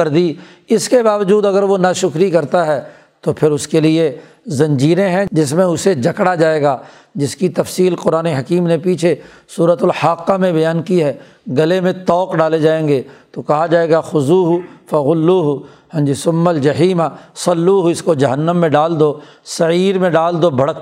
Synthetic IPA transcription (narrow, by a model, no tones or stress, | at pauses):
ɐɾd̪i | ɪskebaːʋəd͡ʒuːd̪ɐɡəɾʋonaʃʊkɾikɐɾt̪aɦɛː | t̪opʰɪɾʊskelie | zɐ̃ɲd͡ʒiːɾẽɦɛ̃d͡ʒɪsmẽʊsed͡ʒɐkɽad͡ʒaːeːɡaː | d͡ʒɪskit̪ɐfsiːlqʊɾaːneɦɐkiːmnepiːt͡ʃʰe | suːɾət̪ʊlhaqːamẽbɐjaːnkiɦɛː | ɡɐlemẽt̪ɔːkɖaːled͡ʒaːẽːŋɡet̪okɐɦad͡ʒaːeːɡaxʊzuːɦʊfɐɣʊlːuːɦʊ | hɐ̃nd͡ʒisʊmːɐld͡ʒɐɦiːmasɐlːuːɦʊɪskod͡ʒɐɦənːəmːẽɖaːld̪oː | sɐiːɾmẽɖaːld̪oːbʱɐɽək